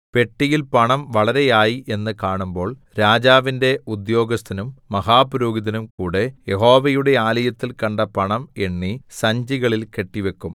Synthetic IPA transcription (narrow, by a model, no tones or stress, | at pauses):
pe̞ʈːijilpɐɳɐmʋɐɭɐɾe̞jaːjiʔe̞nːɨkaːɳumbo̞ːɭɾaːd͡ʑaːʋinde̞ud̪jo̞ːɡɐst̪ʰɐnumːɐɦaːpuɾoːɡiðɐnumkuːɽe̞je̞ɦo̞ːʋɐjuɽe̞aːlɐjɐt̪ːilkɐɳɖɐpɐɳɐmeɳːisɐɲd͡ʑiɣɐɭilke̞ʈːiʋe̞kːum